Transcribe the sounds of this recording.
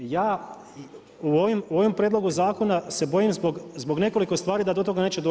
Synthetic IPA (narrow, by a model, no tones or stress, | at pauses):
jaː | uoʋimuo̞ʋompɾʲeːd̪lˠo̞ɡuzaːko̞nase̞bo̞jimzboɡzbo̞ɡne̞ko̞liko̞st̪ʋaːɾid̪ad̪o̞t̪o̞ɡane̞ːt͡ɕed̪o